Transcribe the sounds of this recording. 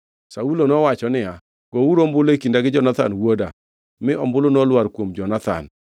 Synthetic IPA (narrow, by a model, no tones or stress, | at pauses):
saulonɔwat͡ʃɔnɪa | ɡ̥ouɾombʊlekindaɡɪd͡ʒɔnat̪a̰nwoda | mɪʔɔmbʊlonɔlwaɾkwomd͡ʒɔnat̪a̰n